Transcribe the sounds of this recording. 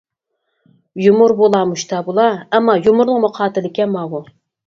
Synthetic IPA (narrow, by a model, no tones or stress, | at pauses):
jumuɾbolˠɑmuʃt̪ʰɑbolˠɑɛmːɑjumuɾnɨŋmʊqʰɑːt̪ɪlɪkʲɛmɑʁʊ